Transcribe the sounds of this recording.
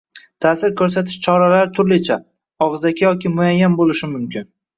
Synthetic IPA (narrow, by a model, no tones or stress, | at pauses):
t̪ʰaːsɪɾkʰɵɾs̬at̪ʰɪʃt͡ʃʰɒɾalaɾt̪ʰʊɾlɪt͡ʃʰa | ɒʁɨzakʲajɒkʲɪmʊajːambolɪʃɪmʊmkʲʰɪn